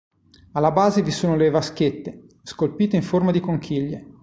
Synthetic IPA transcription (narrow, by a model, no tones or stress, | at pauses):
alːabaːzevisoːnolevask̟et̪ːe | skolpiːt̪eiɱformad̪ikoŋk̟ʰiʎːe